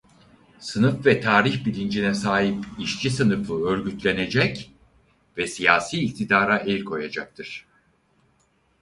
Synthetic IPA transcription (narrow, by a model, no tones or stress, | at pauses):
sɯnɯfvɛt̪ʰaːɾiçbilʲind͡ʒinɛsaːɦipiʃt͡ʃʰisɯnɯfɯøɾɟyt̪lʲe̞ne̞d͡ʒɛc | vɛsijaːsiːct̪ʰid̪aːɾaʔɛlʲkʰo̞jad͡ʒak̚t̪ʰɯɾ̥